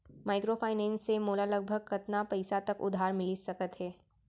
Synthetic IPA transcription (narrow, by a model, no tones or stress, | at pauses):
maːɪkɾopʰaːɪnɛ̃ːnsːemoːlaləɡ̚bʱəɡ̚kɐt̪napɐɪsat̪ɐkʊ̰d̪ʱːaːɾmɪlisɐkət̪ɦɛː